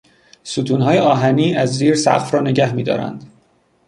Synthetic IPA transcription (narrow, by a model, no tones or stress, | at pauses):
suːt̪ʰuːnɦɒːjeɒːɦæniːæzziːɾsæ̰ɣfɾɒːne̞ɟæhmiːd̪ɒ̰ːɾæ̰nd̪̥